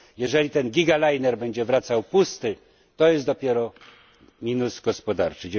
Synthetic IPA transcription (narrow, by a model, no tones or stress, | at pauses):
jɛʐɛlʲit̪ɛnɡʲiɡalajnɛɾbɛɲd͡ʑɛvɾat̪sawpust̪ɘ | t̪ɔjɛsd̪ɔpʲjɛɾɔ | mʲinusɡɔspɔd̪aɾt͡ʂɘd͡ʑ